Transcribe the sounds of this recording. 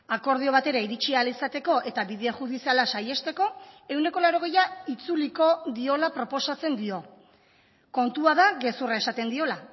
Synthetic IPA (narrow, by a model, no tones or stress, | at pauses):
ako̞ɾð̞io̞β̞at̪e̞ɾaiɾit͡ʃialisat̪e̞ko̞ʔe̞t̪aβiðeeʝuðisialasaje̞st̪e̞ko̞e̞wne̞ko̞laɾo̞ɣ̞e̞jait͡suliko̞ðio̞lapɾo̞po̞sat͡se̞nd̪io̞ | ko̞nt̪uaðaɣe̞surae̞sat̪e̞nd̪io̞la